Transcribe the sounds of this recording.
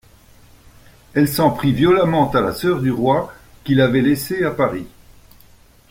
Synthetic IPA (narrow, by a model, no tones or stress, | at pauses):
ɛlsɑ̃pχivjɔlamɑ̃t̪alasœʁd̪yʁwa | kilavɛleseapaʁi